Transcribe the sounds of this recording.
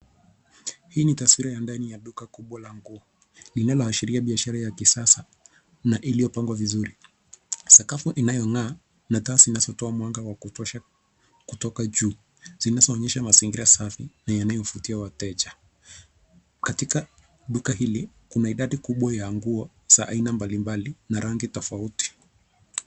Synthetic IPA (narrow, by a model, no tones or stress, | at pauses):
hiːnitaswiɾajandanijaɗukakuɓwalaŋɡuɔ | linalɔhaʃiɾiaɓiaʃaɾajakisasa | naʔilijɔpaŋɡwavizuɾi | sakafuʔinajɔŋaː | natazinazɔtɔamwaŋɡawakutɔʃa | kutɔkaʄuː | z̥inazɔːɲɛʃamasiŋɡiɾasafinajanajɔfutiawatɛd͡ʒa | katika | ɗukaɦili | kunaiɗaɗikuɓwajaːŋɡuɔ | z̥aʔa̰inambalimbalinaɾʔaŋɡitɔfauti̥